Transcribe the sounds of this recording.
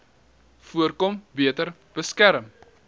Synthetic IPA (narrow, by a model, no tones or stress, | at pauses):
fuərkɔmbiətər | b̥əskæɾəm